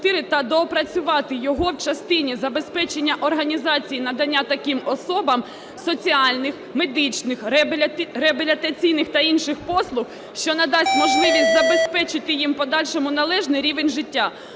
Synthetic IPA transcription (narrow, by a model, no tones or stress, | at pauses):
t̪ɪɾɪt̪ɐd̪ɔːpɾɐt͡sʲʊʋɑt̪ɪjɔɦɔwt͡ʃɐst̪ɪnʲizɐbe̞spɛt͡ʃenʲːɐʔɔrɦɐnʲizɑt͡sʲijinɐd̪ɐnʲːat̪ɐkimɔsɔbɐm | sɔt͡sʲiɑlʲnɪxme̞d̪ɪt͡ʃnɪxʲ | ɾeɐbʲelʲit̪ɐt͡sʲijnɪxt̪ɐinʃɪxpɔslˠʊx | ʃt͡ʃɔnɐd̪ɑsʲtʲmɔʒlˠɪʋʲisʲtʲzɐbe̞spɛt͡ʃɪt̪ɪjimpɔd̪ɑlʲʃɔmʊnɐlˠɛʒnɪjɾʲiʋenʲʒɪtʲːa